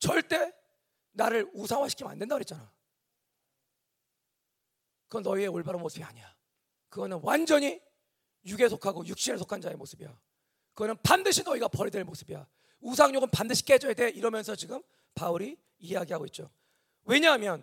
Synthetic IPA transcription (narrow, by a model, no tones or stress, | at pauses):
t͡ɕʌɭt͈e̞ | naɾɯɾusʰaŋwaɕʰi̥kʰima̰ndwendaɡoɦet̚t͡ɕ͈ana | kɯɡʌnʌie̞oɭbaɾɯnmosʰɯbia̰ɲija | kɯɡʌnɯnwand͡ʑʌɲi | juɡe̞sʰokʰaɡojuk̚ɕ͈ieɭsʰokʰand͡ʑae̞mosʰɯbija̰ | kɯɡʌnɯnpandɯɕʰinːʌiɡapʌɾidwe̞ɭmos͈ʰɯbija̰ | us̬ʰaŋɲoɡɯnpandɯɕʰi̥k͈ed͡ʑʌede̞iɾʌmjʌnsʰʌt͡ɕiɡɯm | pauɾiː | aɡiɦaɡoit̚t͡ɕ͈o̰ | we̞ɲaɦmjʌn